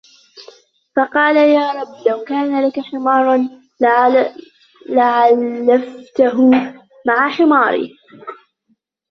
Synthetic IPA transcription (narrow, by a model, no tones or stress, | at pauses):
fɑqɑːlajaːɾˤɑbːlawkaːnalakaħɪmɑːɾˤn | laʕalːaft̪aɦʊ | maʕaħɪmɑːɾˤḭː